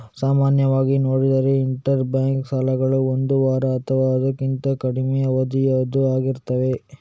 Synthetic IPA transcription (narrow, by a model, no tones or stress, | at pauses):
saːmaːnjɐʋaːɡinoːɽid̪ɐɾe̞iɳʈɐɾbjaːŋksaːlɐɡɐɭuond̪uʋaːɾɐːt̪ʰɐʋaːɐd̪ɐkːint̪ɐkɐɽimɛjɐʋɐd̪ijɐd̪uaːɡiɾt̪ɐʋe̞